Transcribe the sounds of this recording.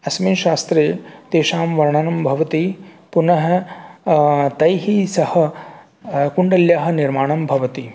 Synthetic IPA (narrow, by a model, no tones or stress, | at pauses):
ɐsmiːʃaːst̪ɾeːt̪eːʃaːmʋɐɾɳɐnɐmbʱɐʋɐt̪i | punɐɦɐ̆ | t̪ɐjɦisɐhɐ̆ | kuɳɖɐljaːɦɐ̆niɾmaːɳɐmbʱɐʋɐt̪i